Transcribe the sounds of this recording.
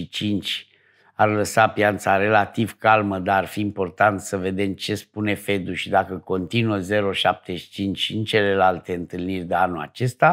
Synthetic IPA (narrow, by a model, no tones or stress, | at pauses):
it͡ʃint͡ʃʲ | arləsapjant̪saɾe̞lat̪ivkalməd̪aːrfiːmpo̞rt̪ant̪səve̞d̪e̞mt͡ʃe̞spune̞fe̞d̪uʃid̪akəko̞nt̪inuəze̞ɾo̞ʃap̚t̪e̞ʃi̥t͡ʃint͡ʃʲint͡ʃe̞le̞lalt̪e̞ɨnt̪ɨlnirʲd̪eanula̰t͡ʃe̞st̪a